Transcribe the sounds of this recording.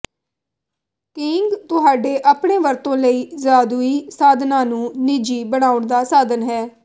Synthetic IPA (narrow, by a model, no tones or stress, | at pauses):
kɪŋɡt̪ʊɦaːɖeːʔaːpɳeːʋəɾt̪õːləiːzaːd̪uːiːsaːd̪nãːnũːnɪd͡ʒiːbəɽ̃aːʊɳd̪aːsaːd̪ənɦɛː